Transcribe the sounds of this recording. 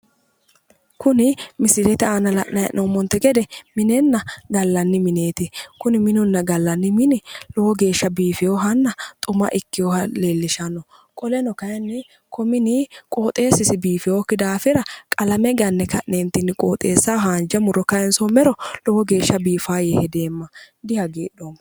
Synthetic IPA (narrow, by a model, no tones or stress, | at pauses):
kʊnɪmɪsɪlɛt̪ɛaːnɐlɐ̰ʔnɐjɐ̰ʔnʔoːmɔnt̪ːɛɡɛd̪ɛmɪnɛnːɐɡɐlːɐnːɪmɪne̞ːt̪ɪkʊnɪmɪnʊnːɐɡɐlːɐnːɪmɪnɪlɔwɔɡe̞ːʃːɐbiːfɪjoːɦɐnːɐt̪ʼʊmɐ̰ʔɪkːɪjoːhɐle̞ːlːɪʃɐnːɔ | kʼɔlɛnɔkɐjɛnːɪ | kʰɔmɪnɪkʼoːt̪ʼe̞ːsɪsɪbiːfɪjoːkːɪd̪aːfɪɾɐkʼɐlɐmɛɡɐnːɛkɐʔneːnt̪ɪnɪkʼoːt̪ʼeːsːaːɦaːnd͡ʒɐmʊɾɔkɐjɛnsomɛɾɔlɔwɔɡe̞ːʃːɐbiːfaːjɛhɛd̪eːmːɐ | d̪ɪhɐɡeːɗoːm